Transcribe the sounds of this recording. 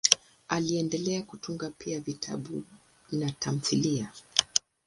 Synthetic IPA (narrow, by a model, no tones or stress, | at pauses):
aliɛndɛlɛakutuŋɡapiavitʰa̰ɓu | natʰam̩θilia